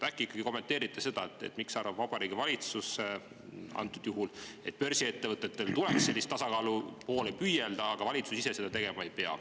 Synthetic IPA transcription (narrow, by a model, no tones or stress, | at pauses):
t̪ækːˑikːˑɑɡ̥iko̞mːe̞nt̪ːˑe̞ːɾit̪ːˑese̞d̪̥ɑet̪ːˑḛt̪ːˑmiksɑrvɑbvɑb̥ɑɾiːɡivɑlʲit̪suse | ɑ̰nt̪ːˑud̪̥juɦule̞t̪̚pø̞rsiet̪ːe̞vɤt̪ːˑe̞t̪ːe̞lt̪uleksːelːist̪t̪ɑsɑkɑːlupo̞ːlepyjeld̪̥ɑːɡ̥ɑvɑlʲit̪susise̞se̞d̪ɑt̪e̞ɡ̥e̞mɑejpe̞ɑ̰